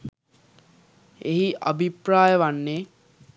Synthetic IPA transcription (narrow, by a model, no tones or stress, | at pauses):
eɦiʔa̰bʱipɾaːjəʋanːe